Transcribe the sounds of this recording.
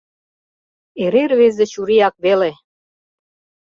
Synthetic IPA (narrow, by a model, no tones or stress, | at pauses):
eɾeɾβezĕt͡ɕuɾiɑk̚βele